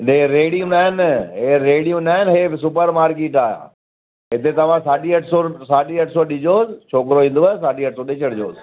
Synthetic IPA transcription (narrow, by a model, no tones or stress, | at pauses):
neɾeːɽijũnaːɦɪnɦeːɾeːɽijũːnaːɦɪnɦeːsʊpəɾmaːɾkeːʈaːjã̰ː | ɦɪt̪et̪ɐʋ̤ãsaːɗiɐʈʰsosaːɗiɐʈʰsoɗɪd͡ʑoːzt͡ʃʰoːkɾoĩːnd̪oəsaːɖiːɐʈʰsoɗɪːt͡ʃəɽd͡ʑo̰ːz